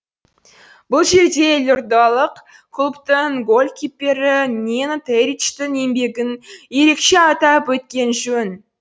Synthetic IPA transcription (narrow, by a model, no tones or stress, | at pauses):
b̥ʊlˠʒe̞ɾd̪e̞lʲʊɾd̪ɑlˠəq | kʰʊlˠpt̪əŋɡolʲkʲʰipʲːe̞ɾɪnʲenat̪eɾit͡ʃt̪ɪne̞mbe̞ɡʲɪnje̞ɾe̞kʃe̞ɑt̪ɑpwɵt̪̚kʲe̞nʒɵn